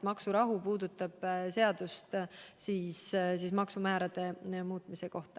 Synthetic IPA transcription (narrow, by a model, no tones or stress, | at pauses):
mɑksuɾɑɦupuːd̪̥ut̪ːˑɑb̥se̞ɑd̪̥ust̪siːssiːsmɑksumæːɾɑd̪̥e̞muːt̪ˑmise̞ko̞ht̪ɑ